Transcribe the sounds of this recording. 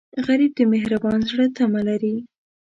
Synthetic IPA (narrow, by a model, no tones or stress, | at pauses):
ɣaɾib̚d̪əmɪɦɾabɑnzɽət̪amalaɾi